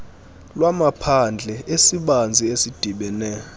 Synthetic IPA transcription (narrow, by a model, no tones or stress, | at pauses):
lwamapʰand͡ɮʱɛesiɓand͡zʱiesid̥ʱiɓɛnɛː